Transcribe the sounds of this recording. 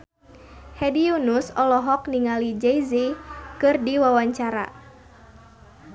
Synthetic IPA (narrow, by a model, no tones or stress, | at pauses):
hɛdiunusɔlɔɦɔk̚niŋalid͡ʒɛizikɨrdiwawaɲt͡ʃaɾa̰